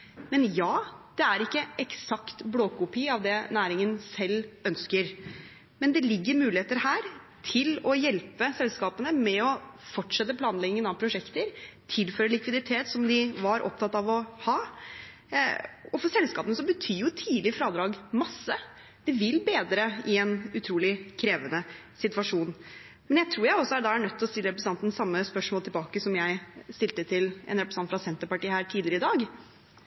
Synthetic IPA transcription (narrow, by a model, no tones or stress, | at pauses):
mɛnjɑːd̪̥ɛæɾɪkːəʔɛksɑkt̪bloːkʰʊpiːɑʋd̪ɛnæːɾɪŋənsɛlːœnskəɾ | mɛnd̪ɛlɪɡːəɾmʉːlɪeːt̪əɾhæːɾ | t̪ʰɪlɔjɛlpəsɛlskɑːpənəmɛɔfɔʈʂɛt̪ːəpʰlɑːnlɛɡnɪŋənɑʋpʰɾʊʂɛkt̪əɾt̪ʰɪlføːɾəlɪkʋɪd̪ɪt̪ʰeːt̪sɔmd̪ɪʋɑɾʔɔ̰p̚t̪ʰɑt̪ːɑʋɔhɑː | ɔfɔsɛlskɑːpənəsɔbət̪ʰyːjʊt̪ʰiːd̪lɪfɾɑːd̪ɾɑːɡmɑsːə | d̪̥ɛʋɪlːbeːd̪ɾəɪɛnʉt̪ʰɾuːlɪkʰɾeːʋənə | sɪt̪ʋɑʂuːn | mɛnjæɪt̪ʰɾuːɾjæɪɔsːɔæɖɑæɳœt̪ʰːlɔst̪ɪlːəɾɛpɾəsɑnt̪n̩sɑmːəspœʂmoɔlt̪ʰɪlbɑːkəsɔmjæɪst̪ɪlt̪ət̪ʰɪlɛ̰nɾɛpɾəsɑnt̪fɾɑsɛnt̪əpɑʈiːhæːʈʰiːd̪ɪəɾəɪd̪ɑːɡ